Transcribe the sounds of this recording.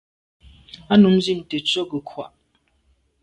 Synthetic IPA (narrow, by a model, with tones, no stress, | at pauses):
a˦nu˨˦mzi˦˨m̩˨tə˨t͡ʃo˦ɡə˨kʰwa̰˨ʔ